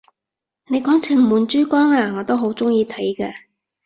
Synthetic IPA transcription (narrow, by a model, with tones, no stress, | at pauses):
ne˨˧jkɔː˨˥ŋt͡sʰɪ˨˩ŋmuː˨˧nt͡ʃyː˥kɔː˥ŋaː˧ŋɔː˨˧t̪o˥wɦo˨˥wt͡sʊ˥ŋjiː˧t̪ʰɐ˨˥jkɛː˧